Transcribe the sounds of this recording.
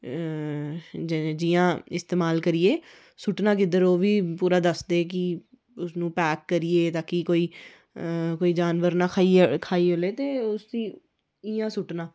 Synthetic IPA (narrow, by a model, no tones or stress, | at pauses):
d͡ʒd͡ʒɪjãːɪst̪eːmaːlkəɾieː | sʊʈnãːk̬ɪd̪əɾoːʋiːpuːɾaːd̪əsd̪eːk̬ɪ | ʊsnũːpɛːkːəɾɪːeːt̪aːkikoːiː | koːiːd͡ʒaːnʋəɾnãːkʰaːikʰaːiːɦoːleːt̪eːʊsd̪iː | ɪjãːsʊʈnãː